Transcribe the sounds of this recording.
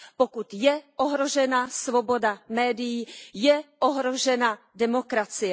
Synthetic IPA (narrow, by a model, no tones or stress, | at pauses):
pokut̪jɛʔoɦɾo̞ʒɛnasvobo̞damɛːdɪjijɛʔoɦɾoʒɛna | dɛmo̞kɾat͡sɪjɛ